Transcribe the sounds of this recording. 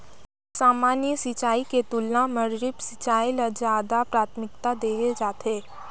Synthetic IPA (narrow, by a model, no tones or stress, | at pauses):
saːmaːnjəsɪt͡ʃaːiket̪ʊlnãmɐɾɾɪpsɪt͡ʃaːilazjaːd̪apɾaːt̪ʰmɪk̚t̪ad̪eːɦed͡ʒaːt̪ɦeː